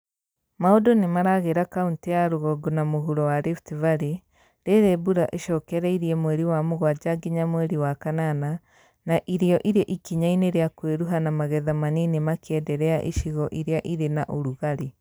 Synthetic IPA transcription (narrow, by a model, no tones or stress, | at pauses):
maodonemaɾaɣeɾakauntejaɾoɣɔɡonamoɣuɾɔwaɾeftevaɾe | ɾeɾebuɾaʔeʃɔkɛɾɛiɾiɛmowɛɾiwamoɣwad͡ʒaɡiɲamwɛɾiwakanana | naʔiɾeɔʔiɾɛʔikiɲaineɾeakweɾuɦanamaɣɛðamaninemakʰɛdɛɾɛaʔḛʃiɣɔʔiɾeaʔiɾenaʔoɾuɣaɾe